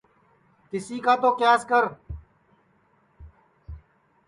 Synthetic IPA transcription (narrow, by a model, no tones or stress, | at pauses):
t̪ɪsiːkaːt̪oːkjaːskəɾ